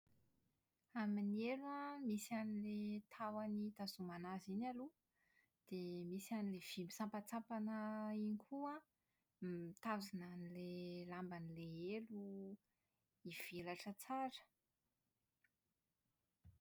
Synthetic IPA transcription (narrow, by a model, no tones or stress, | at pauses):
aminieluamisianilet̪ʰawanit̪azumanazinalu | d̪̥emisianilev̥imisampat͡sapanəinikʰua | t̪azinanilelambanileelu | iv̥elaʈ͡ʂət͡saɾə̥